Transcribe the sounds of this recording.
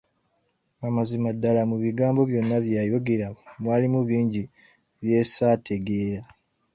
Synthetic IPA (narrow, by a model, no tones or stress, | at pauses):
amazimadːalamuβiɡaːmbo̞βjo̞nːaβjaːjo̞ɡeɾamwaːlimuβiːɲɟi | βje̞ːsaːtʰe̞ɡe̞ːɾa